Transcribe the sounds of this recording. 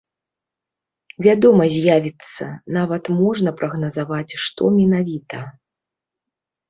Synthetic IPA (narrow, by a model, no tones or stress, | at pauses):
vʲad̪ɔmɐzʲjavʲit̪sːɐ̰navɐt̪mɔʐnɐpɾʔɐɣnɐzavat͡sʲʂt̪ɔmʲinavʲit̪ɐ